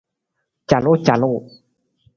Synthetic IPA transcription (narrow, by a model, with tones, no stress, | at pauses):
t͡ɕa˨lo˥˦˨t͡ɕa˨lo˥˨